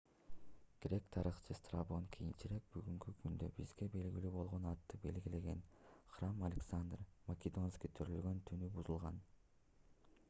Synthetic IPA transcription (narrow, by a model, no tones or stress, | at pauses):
kʲeɾe̞k̚t̪ʰɑɾɯχt͡ʃʰɯst̪rabo̞ŋkʰijint͡ʃiɾe̞k̚byɡyŋkykynd̪ø̰bizɡe̞be̞lɡilyːbo̞lˠʁo̞nɑt̪ːɯbe̞̰lɡile̞ɡe̞nχramɐlʲeksand̪rmɐkʲɪd̪o̞nskʲijt̪ʰøɾølɡønt̪ʰynybuzulˠʁɑn